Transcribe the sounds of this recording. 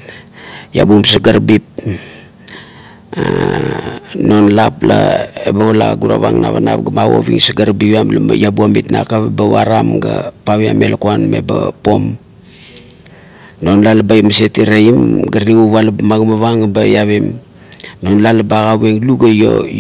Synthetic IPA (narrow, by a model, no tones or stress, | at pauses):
ja̰bumsaɡaɾbip̚ | no̞nlaplaebaβalaɡuɾa̰βa̰ŋna̰βana̰pɡamawo̰βḭŋsaɡaɾbiβamlajabuamitna̰kaβebaβaɾamɡapaβia̰me̞lakuanme̞̰bapo̞m | no̞nlalbajmasetiɾeimɡaɾniɡuβalamaɡamaβaŋabajaβem | no̞nlalbaɡaβeŋluɡajo